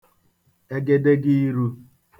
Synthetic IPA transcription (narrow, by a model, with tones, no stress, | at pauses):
e˦ɡe˦de˦ɡɪ˦i˦ɾu˦